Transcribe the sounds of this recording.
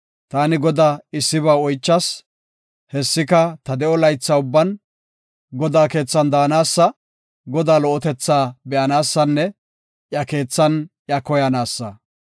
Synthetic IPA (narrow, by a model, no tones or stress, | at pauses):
t̪aːnɪɡɔd̪aːɪsːɪβaːɔjt͡ʃːɐs | hɛsːɪkɐt̪ɐd̪ɛʔɔlɐjt͡sːɐʊbːɐn | ɡɔd̪aːke̞ːt͡sːɐnd̪aːnaːsːɐ | ɡɔd̪aːlɔʔɔt̪ɛt͡sːaːbɛʔɐnaːsːɐnːɛ | ʔjɐke̞ːt͡sːɐnʔjɐkɔjɐnaːsːɐ